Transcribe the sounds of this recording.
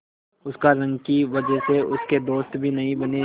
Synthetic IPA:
ʊskaɾɐ̃ŋɡkiʋɐd͡ʒəɦseʊsked̪oːst̪bʱinɐɦĩbɐne

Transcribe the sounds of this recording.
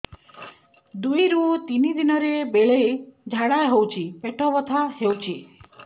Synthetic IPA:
d̪ujɾut̪inid̪inɔɾebeɭed͡ʒʱaɽaɦewt͡ʃʰipeʈʰɔbɔt̪ʰahewt͡ʃʰi

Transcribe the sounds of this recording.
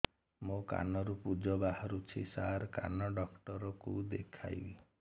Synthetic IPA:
moka̰nɔɾupud͡ʒɔbahɔɾut͡ʃʰisaɾka̰nɔɖɔkʈɔɾɔkud̪ekʰa̰jbi

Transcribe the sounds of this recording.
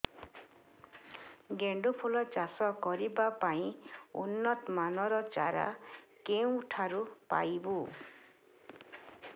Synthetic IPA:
ɡeɳɖupʰulɔt͡ʃasɔkɔɾibapaĩṵnːɔt̪manɔɾɔt͡ʃa̰ɾa̰keũuʈʰaɾupa̰jbu

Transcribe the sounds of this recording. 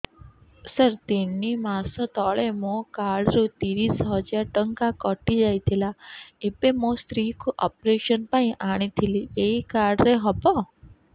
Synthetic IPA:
səɾt̪enimasɔt̪ɔɭemõkaɽɾut̪iɾisɦəd͡ʒaɾʈəŋkakɔʈid͡ʒajt̪ʰilaipemost̪ɾikʰuʔɔ̰pɾeʃənpaĩʔaɽ̃it̪ʰilieikaɽɾeɦɔpɔ

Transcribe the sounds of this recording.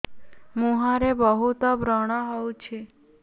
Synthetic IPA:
mũɦaɾebəɦut̪obʱɾəɽ̃ɔɦɔũt͡ʃʰe

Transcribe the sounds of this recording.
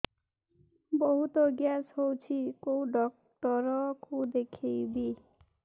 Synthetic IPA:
bɔɦut̪ɔɡjasɦowt͡ʃʰikowɖɔk̚ | ʈɔɾɔkud̪ekʰejbi

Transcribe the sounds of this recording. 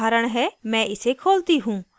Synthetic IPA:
aːɾəɽ̃ɦɛːmɛ̃ʔɪsekʰoːlt̪iɦũː

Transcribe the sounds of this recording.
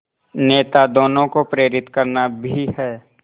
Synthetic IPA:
neːt̪ad̪oːnõkopɾeːɾɪt̪kɐɾnabʱihɛː

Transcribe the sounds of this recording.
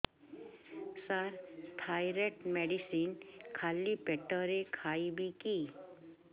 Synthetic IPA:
saɾt̪ʰajɾeʈmeɖisinkʰalːipeʈəɾekʰaibʱiki

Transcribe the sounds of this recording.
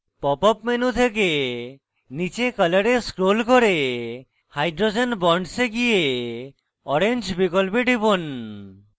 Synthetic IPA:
pɔpɔpmenut̪ʰek̬e | nit͡ʃekələɾeskɾolkɔɾe | hajɖɾod͡ʒenbɔɳɖseɡije | ɔɾend͡ʑbikɔlpeɖʱibon

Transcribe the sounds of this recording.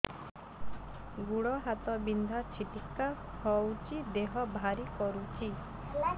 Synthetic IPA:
ɡuɽɔɦat̪ɔbind̪ʱat͡ʃʰiʈikːa | hɔwt͡ʃid̪eɦɔbʱaɾikɔɾut͡ʃʰi

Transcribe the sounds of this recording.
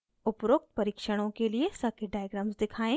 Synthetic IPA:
ʊpɾʊk̚t̪̚pɐɾiːkʃəɽ̃õkeliesɐkeɖaːjɡɾaːmzd̪ɪkʰaːẽ

